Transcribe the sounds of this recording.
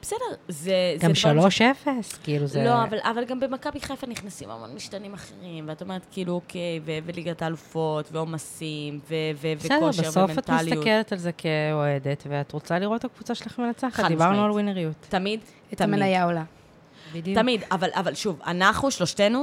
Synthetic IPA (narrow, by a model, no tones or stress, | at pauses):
b̥esedeʁzezɡamʃaaloʃefeskiiluzlo̞avalʔa̰valɡambemakabiχefaniχnasima̰lmo̰nmiʃtanimaχeʁimveato̞me̞ʁet̪kiiːluokʰejveveliɡataːlufo̞tveo̞masimvevevesɛdoʃbeevoefmenat̪miaslij̪aukeletalzekeoedetveat̪ʁot͡saliʁothakvut͡saʃelaχemenat͡saχatd̪ibaʁnualwineʁijut̪tamid̪ | tmmenajaola | tamid̪avalʔavalʃuva̰naχnuʃloʃte̞nu